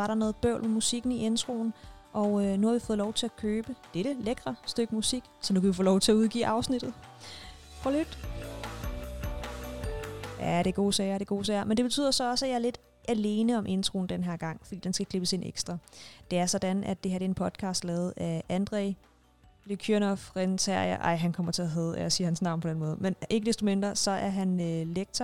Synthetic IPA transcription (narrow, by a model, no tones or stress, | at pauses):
ʋɑ̈ɾɑ̈nɔ̽ːð̩ˠb̥œʊ̰lmemusiɡ̥n̩iʔe̝nt͡sʰʁo̝̰ːn | ʔɒ̽ʊønuhɑ̈ʋifɔð̩ˠlɒʊt͡sʰe̝ækʰøːb̥əd̥eɾ̥əleɡ̥ʁɐsd̥øɡ̥əmusiɡ̥sɒ̽nukʰæʋifoːlɒʊt͡sʰe̝æuð̞ˠɡ̥ḭːʔɑ̈ʊsnid̥ð̩ˠ | fʁɑlyd̥ | jæɾ̥e̝ɡ̥o̝̰ːsɛɪɐɾ̥e̝ɡ̥o̝̰ːsɛːɪɐmend̥e̝be̝t͡sʰy̰ð̰ˠɐsɒ̽ɒ̽səæjɑ̈ɐle̝d̥ | ʔæle̝ːnəɒ̽mʔe̝nt͡sʰʁo̝ːn̩d̥enɦæɐɡ̥ɑ̈ŋ̰fɒdḭːd̥ensɡ̥ækʰle̝b̥əsenḛɡ̥sd̥ʁɑd̥e̝æɐsɒ̽d̥ænæd̥̚e̝æɐdɾeenpʰɒ̽d̥̚kʰɑ̈ːsd̥lɛːð̞̩ˠæænd̥ʁɛɪ | lykʰønɒfʁent͡sʰæɐ̰jɐ̰ʔɑ̈ɪ̰ɦænkʰɒ̽m̰ɐt͡sʰe̝æɦɛðˠelɐsiːɐhænsnɑ̈ʊnpʰɒ̽d̥enmɔ̽ːð̞ˠmene̝ɡəd̥esd̥o̝me̝nd̥ʁɐsɒ̽ʔæɐɦænøleɡ̥̚t͡sʰɐ